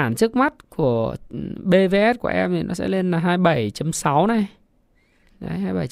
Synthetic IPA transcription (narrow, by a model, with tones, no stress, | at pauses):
aː˧˩nt͡ɕɨ˦˥ək̚ma˦˥t̚ku˧˩əɓe˧ve˧ʔɛ˦˥t̚ku˧˩əʔɛ˧mt̪ʰi˨˩nɔ˨˦sɛ̰˧˥le˧nlaː˨˩ɦaː˧jɓə˧˩jt͡ɕə˨˧˦msa˨˦wna˨˩j | ə˨˧ɦaː˧jɓə˧˩j